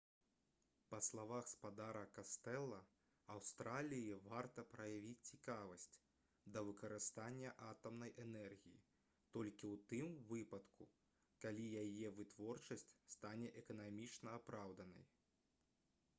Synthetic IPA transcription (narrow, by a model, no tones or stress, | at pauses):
pɐslˠavaxspad̪aɾɐkast̪ɛlˠːɐ | awst̪ɾalʲijivart̪ɐpɾɐjavʲit͡sʲt͡sʲikavɐsʲt͡sʲ | d̪ɐvɨkɐɾɨst̪anʲːɐʔat̪ɐmnɐjʔɛnɛrɣʲijḭ | t̪ɔlʲkʲiwt̪ɨmvɨpɐt̪ku | kalʲijajɛvɨt̪vɔrt͡ʂɐsʲt͡sʲst̪anʲɛʔɛkɐnamʲit͡ʂnɐapɾawd̪ɐnɐ̰j